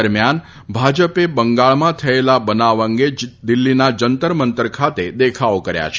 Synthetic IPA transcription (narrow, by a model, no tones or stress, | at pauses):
əɾmjan | bʱad͡ʒəpebəŋɡaɭmãt̪ʰəelabənaʋə̃ŋɡed̪ɪlːinad͡ʒənt̪əɾmənt̪əɾkʰat̪ed̪ekʰaokəɾja̰t͡ʃʰ